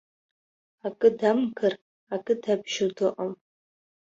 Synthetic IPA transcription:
akʼɨdamɡʰɨr | akʼɨdabʒɪdɨqʼam

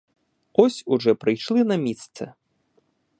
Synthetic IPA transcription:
ɔsʲuʐɔpɾɨjʂlʲinɐmʲit̪st̪sɛ̰

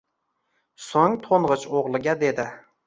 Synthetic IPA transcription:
soŋt̪ʰoɴʁɨt͡ʃoʁlˠɪɡʲad̪e̞d̪ɪ

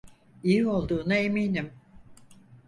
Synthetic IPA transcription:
ijio̞lˠd̪uːnaemiːnim

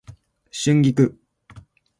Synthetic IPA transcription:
ɕĩŋɡʲikɯ

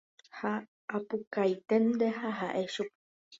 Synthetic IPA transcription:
ha | ʔːpukajt̪end̪ehaɦaʔeʃup̚

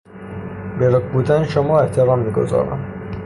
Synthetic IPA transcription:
beɾokbuːd̪ænʃomɒːeht̪ʰeɾɒːmːiːɡo̰zɒ̰ːɾæ̰m

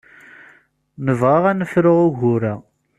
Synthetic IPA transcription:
nəvʁaʁænəfɾʊʁʊʝʊɾæ

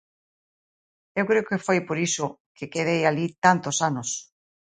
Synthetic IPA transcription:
ewkɾeokefojpoɾisokekeð̞ejalit̪ant̪osanos

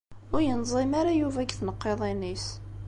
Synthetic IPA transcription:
ʊɾjənzˤemaɾajuvæɡθnəqːeðˤinis

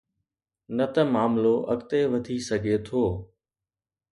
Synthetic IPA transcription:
nət̪əmaːmloʔə̰kt̪eʋət̪isəɡʱeːt̪ʰoː

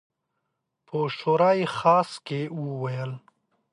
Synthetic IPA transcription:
pʰəʃoɾɑixɑːskeuwajəl

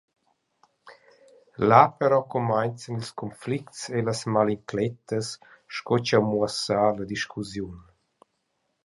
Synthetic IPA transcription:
lapəɾɔkɔmajnt͡sənilskɔnfliktseləsmaliŋklɛt̪əs | ʃkɔt͡ʃawmuasaləd̪iʃkʰuzjun

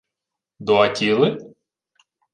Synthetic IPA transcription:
d̪ɔɐtʲilˠɪ

